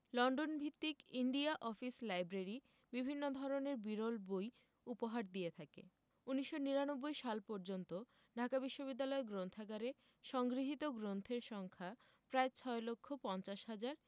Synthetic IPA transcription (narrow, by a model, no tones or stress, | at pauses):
lɔɳɖonbʱit̪ːikiɳɖiaʔɔfislajbɾaɾi | bibʱinːod̪ʱɔɾoneɾbiɾolboj | upoɦaɾd̪ijet̪ʰakḛ | uniʃːoniɾanobːojʃalpɔɾd͡ʑont̪o | ɖʱakabiʃːobid̪ːalɔeɡɾont̪ʰakaɾe | ʃɔŋɡɾiɦit̪oɡɾont̪ʰeɾʃɔŋkʰa | pɾaet͡ɕʰɔelokʰːopɔnt͡ɕaʃɦad͡ʑaɾ